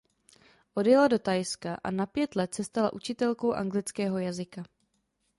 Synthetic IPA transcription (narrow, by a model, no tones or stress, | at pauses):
ʔodjɛlado̞t̪ajskaʔa̰napjɛt̪lɛt̪̚t͡sɛst̪ala̰ʔut͡ʃɪt̪ɛlko̞wʔa̰ŋɡlɪt͡skɛːɦo̞jazɪka